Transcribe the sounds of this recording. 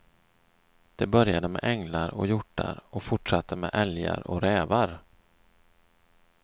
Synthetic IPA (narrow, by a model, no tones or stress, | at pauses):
d̪̥ɛbœɾjad̪əmɛ̰ʔɛŋlaɾɔ̰jʊʈːaɾɔfʊʈʂat̪ʰːəmɛːʔɛlja̰ɾɔɾɛːvaɾ